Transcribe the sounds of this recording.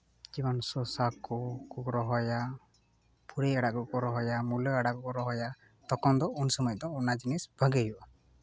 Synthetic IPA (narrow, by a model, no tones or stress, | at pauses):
d͡ʒibansɔsakukuɡɾɔɦɔja | pʰuɾeaɽakukɔɾɔɦɔjamulɔaɽakukɔɾɔɦɔja | t̪ɔkɔnd̪ɔunsɔmɔjɔd̪ɔunad͡ʒinisbʱəɡeɦiwa